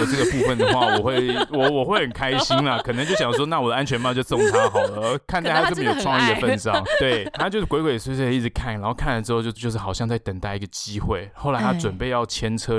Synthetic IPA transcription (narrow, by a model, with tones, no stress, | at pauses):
ə˩ʈ͡ʂɤ˥˩ɡə˩pu˥˧fə˨˩nd̪ə˨˩xwa˥˩wɔ˨˩xwe˥˩ɪwɔ˨˩wɔ˨˩xwe˥˩ɪxə˨˩nkʰa˥ɪɕi˦˥ŋlə˨kʰɤ˨˩n˧˦ŋt͡ɕjo˥˩ʊɕjɑ˨˩ʂwɔ˥na˥˩wɔ˨d̪ə˩ʔa˦nt͡ɕʰɥɛ˧˥nma˧˥˧t͡ɕʊsɔ˥˧˩ŋt̪ʰa˥xɑ˨˩ʊʊlə˦kʰa˥˧nt̪a˥˧˥a˥˩˧m˧˩jo˨˩ʊʈ͡ʂʰwɑ˥˧ŋi˥˩d̪ə˨˩fə˥˧nɑ̰˥˩ŋt̪we˥˩ɪa˥t͡ɕjo˥˧˥kwe˧˥kwe˧ɪ˨˩w̪ə˧i˥˩t͡s̩˨˩kʰa˥˩n˨˥xo˥˧kʰa˥˩nlə˩ʈ͡ʂɻ̩˥xo˥˧ʊt͡ɕjo˥˧ʊ˧t͡ɕjo˥˧ʂ̬ɻ̩˩ɑ˨˩ʊɕjɑ˥˧ŋt͡sa˥˩ɪt̪ə˨˩ŋt̪a˥˧ɪi˥ɡə˨t͡ɕi˦˥xwe˥˩ɪxo˥˩ʊla˧˦ɪt̪a˥t͡swə˨˩npe˥˧ɪjɑ˥˩ʊt͡ɕʰjɛ˥nt͡sʰɤ˥